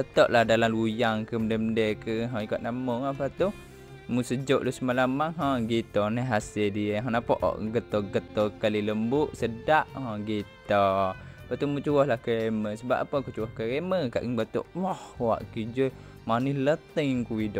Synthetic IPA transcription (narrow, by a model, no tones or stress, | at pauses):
bət̪ɔʔlahdalamlujaŋkəməndəmədəkəɦɔ̃ikot̪namoapat̪u | musəd͡ʒoʔlusəmalamaŋɦɔ̃ɡit̪ɔnəɦasildiəɦɔnapɔʔɔ̰ʔɡət̪ɔɡət̪ɔkaliləmbuʔsədaʔhɔ̃ɡit̪ɔapaʔt̪umut͡ʃuwɔhlahkəɾeməsəba̰pːapəkut͡ʃuwɔhkəɾeməka̰ʔəŋbat̪o̰ʔwahwa̰ʔkid͡ʒə | manihlət̪əŋkuidoʔ